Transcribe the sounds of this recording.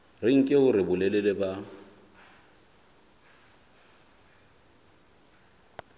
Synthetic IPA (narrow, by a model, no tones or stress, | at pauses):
rɪŋ̩kʼɪʊrɪbʊlɛlɛlɛba